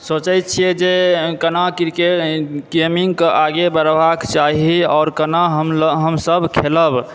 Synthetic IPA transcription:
sot͡ʃət̪̚t͡ʃʰijɛd͡ʒekənakiɾkeʈkemiŋɡkeʔaɡebəɾbakt͡ʃaɦiɔʊɾkənaɦəmɦəmsəbʱkʰeləb

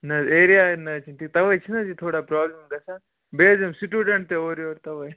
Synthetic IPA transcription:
nɐzeːɾijaːnɐt͡ʃʰinʈʰik̚t̪ɐʋɐjt͡ʃʰinɐd͡ʒʰit̪ʰoːɽaːpɾaːblɐmɡɐsaː | beːzemsiʈjuːɖɐɳʈ̚t̪eoːɾjoːɾt̪ɐʋɐj

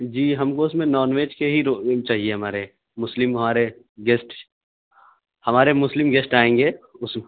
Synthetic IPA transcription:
d͡ʒiːɦɐmkoʊsmẽnɔːnʋeːd͡ʒkeɦiɾot͡ʃaːɦieɦɐmaːɾe | mʊslɪmɦɐmaːɾe | ɡeːsʈ | hɐmaːɾemʊslɪmɡesʈaːẽːŋɡeːʊs

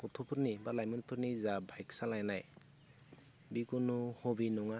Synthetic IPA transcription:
kɔtʰɔpʰɯɾnibalajmɯnpʰɯɾnizabʱajksalajnaj | bikunuhɔbinɔŋa

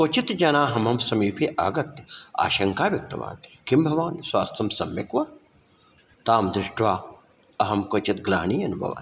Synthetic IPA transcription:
kot͡ʃit̪d͡ʒɐnaːɦɐmɐmsɐmiːpʰiʔaːɡɐt̪a̰ːʃɐŋkaːʋjɐk̚t̪ɐ̰ʋa̰ːnt̪kimbʱɐʋaːnswaːst̪ʰɐmsɐmjɐkʋaː | t̪aːmd̪ɾɪʃʈʋaː | ɐɦɐmkoːt͡ʃit̪ɡla̰ːniːɐnubʱɐ̰ʋa̰ːn

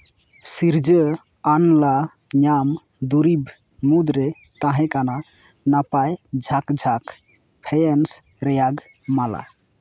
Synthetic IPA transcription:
siɾd͡ʒə | anla | ɲam | d̪uɾibʱ | mud̪ɾe | t̪aɦɛ̃kana | napajd͡ʒʱakd͡ʒʱak | pʰejens | ɾɛjaɡ | mala̰

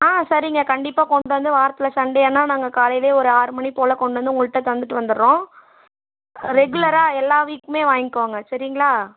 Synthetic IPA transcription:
aːsɐɾɪŋɡɐkɐɳɖɪpːaːkɔɳɖɯʋɐnd̪ɯʋaːɾɐt̪ːɪlɐsɐɳɖeɛːnːaːnaːŋɡɐkaːlɐjɪleːɔɾɯaːɾɯmɐɳipoːlɐkɔɳɖɯʋɐnd̪ɯʊŋɡɐɭʈːɐt̪ːɐʋɐnd̪ɯʈːɯʋɐnd̪ɯɾːõː | ɾɛɡʊlɐɾaːɛlːaːʋiːkːɯmeːʋaːjŋɪkːʋaːŋɡɐsɐɾɪŋɡɐɭaː

